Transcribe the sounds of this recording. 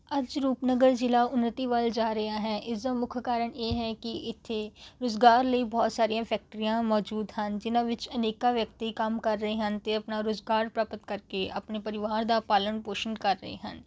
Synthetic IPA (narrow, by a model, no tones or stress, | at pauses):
ɐd͡ʒɾuːpnəɡəɾd͡ʒɪlaːʊnːət̪iːʋald͡ʒaːɾəaːɦɛːʔɪsd̪amʊkʰkaːɾəɽ̃jeːɦɛːkɪɪt̪ʰːeɾoːzɡaːɾləibɔːt̪saːɾijãːpʰɛːk̚ʈəɾijãːmɔːd͡ʒuːd̪ɦənd͡ʒɪnãːʋɪt͡ʃəneːkaʋjəkt̪ikɐmkɐɾːəɦeɦənt̪eɐpnaːɾoːzɡaːɾpɾaːpət̪kəɾkeʔɐ̰pnepəɾɪʋaːɾd̪aːpaːlənpoːʃənkəɾːə̰ɦḛɦə̰n